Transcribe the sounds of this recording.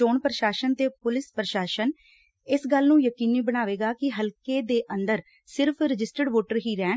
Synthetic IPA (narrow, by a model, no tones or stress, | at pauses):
oːɳpɾəʃaːʃənt̪eːpʊlɪspɾəʃaːʃən | ɪsɡəlnũːjəkiːniːbəɽaːʋeːɡaːkɪɦəlkeːd̪eːʔənd̪əɾ | sɪɾpʰɾɪd͡ʒɪsʈəɖʋoːʈəɾɦiːɾɛ̃ː